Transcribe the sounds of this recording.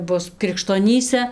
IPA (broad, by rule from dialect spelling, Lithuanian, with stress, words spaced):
ˈbʊs krʲɪkʃtoːˈnʲiːsʲɛ